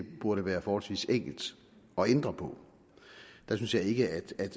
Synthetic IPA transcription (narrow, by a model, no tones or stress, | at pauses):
b̥uɐɾəʋæːɐfɒːhɒ̽lsʋḭːseŋ̰ɡ̥l̩d̥ | ɒ̽end̥ʁɐpʰɒ̽ | d̥æsynsjɑ̈ɪe̝ɡ̥əæd̥æd̥